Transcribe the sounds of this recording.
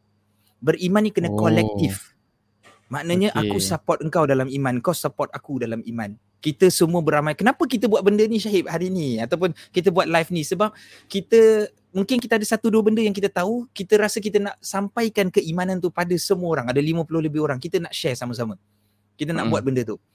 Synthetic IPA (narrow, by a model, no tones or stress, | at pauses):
bərimãnikənakolɛk̚t̪ɪf | maʔnəɲəʔakusəpɔt̪̚əŋkawdalamimãnŋkasəpɔrt̪akudalamimãn | kit̪əsəmũəbəɾamajkənapəkit̪̬əbuat̪̚bəndəniʃaɦɪp̚haɾiːniat̪awp̬ʊnkit̪̬əbuat̪̚lajfnisəbap̚ | kit̪ə | muŋkɪnkit̪əadəsat̪uduəbəndəjaŋk̬it̪ət̪aukit̪əɾasək̬it̪ənaʔsampajkankəʔimãnant̪upadəsəmuəoɾaŋadəlimə̃pulʊhləbɪhoɾaŋkit̪ənaʔʃɛrsaməs̬amə | kit̪̬ənaʔbuat̪̚bəndət̪u